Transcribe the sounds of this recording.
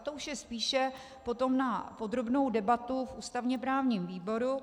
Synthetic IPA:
t̪oʔuʃjɛspiːʃɛ | po̞t̪o̞mnapo̞d̪ɾo̞bno̞wdɛbat̪ufʔuːst̪avɲɛpɾaːvɲiːmviːbo̞ɾu

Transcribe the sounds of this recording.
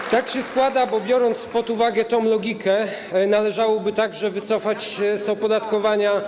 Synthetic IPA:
t̪akɕɛskwad̪abɔbʲjɔɾɔnt̪spɔt̪uvaɡɛt̪ɔ̃mlɔɡʲikʰɛnalɛʐawɔbɘt̪aɡʐɛvɘt̪sɔfat͡ɕzɔpɔd̪at̪kɔvaɲa

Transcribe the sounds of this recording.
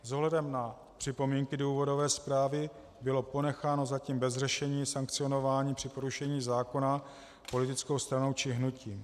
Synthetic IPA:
zoɦlɛdɛmna | pr̝̥ɪpo̞miːŋkɪduːvo̞do̞vɛːspɾaːvɪ | bɪlo̞po̞nɛxaːnozaciːmbɛzrɛʃɛɲiːsaŋk̚t͡sɪo̞no̞vaːɲiːpr̝̥ɪpo̞ɾuʃɛɲiːzaːko̞na | po̞lɪt̪ɪt͡skowst̪ɾano̞wt͡ʃɪɦnuciːm

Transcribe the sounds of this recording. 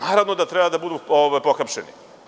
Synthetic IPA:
aːɾaʋnod̪at̪ɾebad̪abud̪uːoʋajpo̞xapʃenḭ

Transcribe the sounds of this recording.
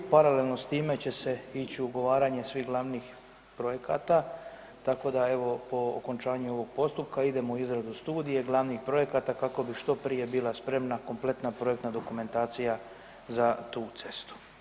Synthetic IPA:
paɾalelˠno̞st̪iːme̞t͡ɕe̞se̞it͡ɕiuɡo̞ʋaːɾaːɲe̞sʋiːɦɡlˠaʋnix | pɾo̞je̞ka̰ːt̪a | t̪ako̞d̪ae̞ʋo̞po̞o̰ko̞nt͡ʃaːɲuo̞ʋo̞ɡ̥̚po̞st̪up̚kaid̪e̞mouizɾad̪ust̪uːd̪ije̞ɡlˠaʋnixpɾo̞je̞kat̪akako̞biʃt̪o̞pɾije̞biːlˠaspɾe̞mnako̞mple̞t̪napɾo̞ekt̪nad̪o̞kume̞nt̪aːt̪sija | zat̪uːt̪se̞st̪u̥

